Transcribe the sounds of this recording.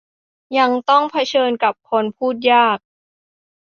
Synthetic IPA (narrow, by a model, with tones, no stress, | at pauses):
ja˧ŋt̪ɔ˥˩ŋpʰa˧t͡ɕʰɤː˧nka˨˩p̚kʰo˧npʰuː˥˩t̪̚jaː˥˩k̚